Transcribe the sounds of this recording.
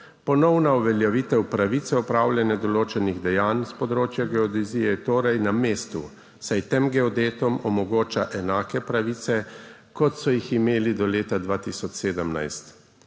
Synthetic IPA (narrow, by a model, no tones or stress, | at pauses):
pɔnɔwnauʋɛljɛʋit̪ɛwpɾaʋiːt̪sɛɔpɾawlʲjɛnɛd̪ɔloːt͡ʃɛniɣd̪ɛjaːnspɔd̪ɾoːt͡ʃjaɡɛɔd̪izijɛt̪oːɾajnameːst̪ṵ | sajt̪emɡɛɔd̪eːt̪ɔmɔmɔɡoːt͡ʃaʔɛnaːkɛpɾaʋiːt̪sɛ | kɔt̪sɔjiximeːlid̪ɔleːt̪ad̪ʋaːt̪isɔt͡ʃseːd̪əmna̰jst̪